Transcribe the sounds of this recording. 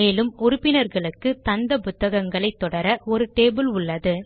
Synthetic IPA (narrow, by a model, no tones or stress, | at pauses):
eːlɯmɔɾʊpːɪnɐɾɣɐɭɯkːɯt̪ɐnd̪ɐpʊt̪ːɐɣɐŋɡɐɭɐɪt̪ːɔɽɐɾɐɔɾɯʈeːbɯlʊɭːɐðɯ